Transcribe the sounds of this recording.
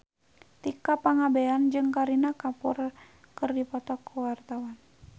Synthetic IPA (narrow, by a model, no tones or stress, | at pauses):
t̪ikapaŋabɛand͡ʒɨŋkaɾinakapɔr | kɨrdipɔt̪ɔkuwart̪awan